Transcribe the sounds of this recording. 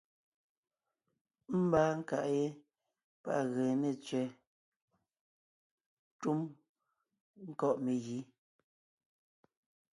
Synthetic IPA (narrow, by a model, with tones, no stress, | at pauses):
m̩˦baː˦ŋ̩˦ka̰˨ʔje˦ | pa̰˦ʔɣɛ˨ne˨t͡sɥɛ˨ | tu˦m | ŋ̩˦kɔ˦ʔme˨ɣi˨˦